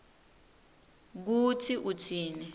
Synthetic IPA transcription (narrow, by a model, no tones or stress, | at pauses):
k̬utʰiʔutʰiːnɛ